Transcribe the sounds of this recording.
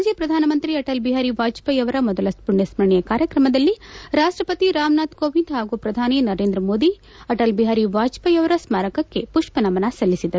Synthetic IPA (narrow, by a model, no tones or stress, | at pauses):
d͡ʒjɐpɾɐd̪ʱaːnɐmɐnt̪ɾiɐʈɐlbiɦaɾiʋaːt͡ʃpɐjɐʋɐɾɐmɔd̪ɐlɐspuɳːesmɐɾɳɛjɐkaːɾjɐkɾɐmɐd̪ɐlːiɾaːʂʈɾɐpɐt̪iɾaːmnaːt̪koːʋinɖ̪ɦaːɡupɾɐd̪ʱaːninɐɾeːnd̪ɾɐmo̞ːd̪i | ɐʈɐlbiɦaːɾiʋaːt͡ʃpɐjɐʋɐɾɐsmaːɾɐkɐkːe̞puʂpɐnɐmɐnɐsɐlːisid̪ɐɾu